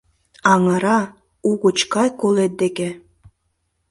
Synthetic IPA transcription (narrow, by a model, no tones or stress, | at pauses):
ɑŋɑɾɑ | uɣut͡ɕkɑjkolet̪̚d̪eke